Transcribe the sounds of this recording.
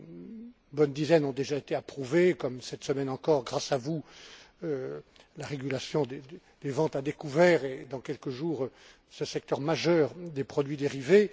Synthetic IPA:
bɔnd̪izɛnɔ̃d̪eʒaet̪eapχuvekɔmsɛt̪səmɛnɑ̃kɔʁɡʁasavu | ø | laʁeɡʲylasjɔ̃d̪e | d̪̥evɑ̃t̪ad̪ekuvɛːʁed̪ɑ̃kʲɛlkəʒuːʁ | səsɛk̚t̪œʁmaʒœːʁd̪epχɔd̪ɥid̪eʁive

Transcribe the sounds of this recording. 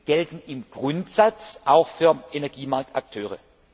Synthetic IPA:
ɡ̥ɛltn̩ɪmɡ̥ʁʊntz̥at͡sʔaʊxfyːɐʔenɛɐɡiːmaɐk̚tak̚tʰøːʁ̞ə̰

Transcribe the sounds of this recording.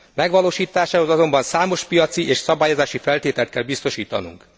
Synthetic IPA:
mɛɡʋɒloːʃiːt̪aːʃaːho̞zɒzo̞mbɒnsaːmo̞ʃpijɒt̪siʔeːʃsɒbaːjozaːʃifɛlt̪eːt̪ɛlt̪̚kɛlbist̪o̞ʃiːt̪ɒnṵŋk

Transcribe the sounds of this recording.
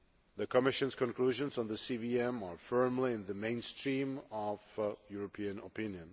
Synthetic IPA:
ðɨkʰəmɪʃɨ̃nz̥kʰə̃nkl̥uʒə̃nzn̩ðəsiviɛ̃mə˞fɜ̃˞mliɨ̃nðəmẽɪ̃nstʰɹ̥ĩmʌv̥juɹəpʰiɨ̃nə̰pʰɪ̃njɨ̃n

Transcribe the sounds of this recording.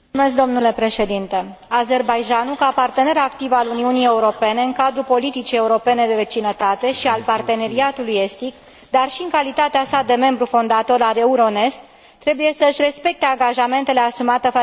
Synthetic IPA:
umeskd̪omnule̞pɾe̞ʃe̞d̪int̪e̞ | aze̞rbajd͡ʒanukapart̪e̞ne̞ɾakt̪ivaluniunije̞uɾo̞pe̞ne̞ɨŋkad̪ɾupo̞lit̪it͡ʃije̞uɾo̞pe̞ne̞d̪e̞ve̞t͡ʃinət̪at̪e̞ʃialpart̪e̞ne̞ɾiat̪uluje̞st̪ik | d̪arʃiɨŋkalit̪at̪easad̪e̞me̞mbɾufo̞nd̪at̪o̞ɾaɾe̞uɾo̞ne̞st̪ | t̪ːɾe̞buje̞səɨʃʲre̞spe̞k̚t̪eaŋɡaʒame̞nt̪e̞le̞asumat̪ef

